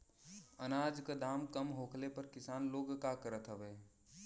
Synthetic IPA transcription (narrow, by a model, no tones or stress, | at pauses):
ənaːd͡ʒkad̪aːmkəmɦoːkʰlepəɾkɪsaːnloːɡkakəɾət̪ɦəʋeː